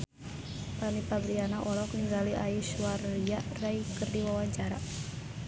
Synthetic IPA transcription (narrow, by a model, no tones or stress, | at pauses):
panipabɾianaʔɔlɔkniŋɡaliʔaiʃwariaʔrajkərdiwawaɲt͡ʃaɾa